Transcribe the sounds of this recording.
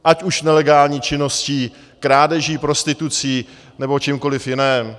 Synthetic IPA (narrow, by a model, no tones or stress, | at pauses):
ʔacuʃnɛlɛɡaːlɲiːt͡ʃɪno̞sciː | kɾaːdɛʒiːpɾo̞st̪ɪt̪ut͡siː | nɛbo̞t͡ʃɪmko̞lɪfjɪnɛːm